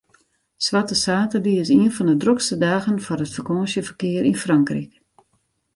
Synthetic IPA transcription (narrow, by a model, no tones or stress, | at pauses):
sʋatəsaːtədiɪsiənfɔndədrokstədaːɣənfɔrətfərkoːsjəfərkɪəɾinfraŋkrik